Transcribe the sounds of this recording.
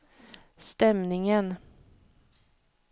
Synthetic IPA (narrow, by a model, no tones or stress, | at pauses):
st̪ɛmnɪŋən